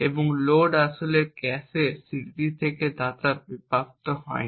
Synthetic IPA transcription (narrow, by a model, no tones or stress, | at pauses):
eboŋloɖaʃoleɾkɛsesiɾd̪it̪ʰeked̪at̪aɾbipapt̪oɦɔ̰e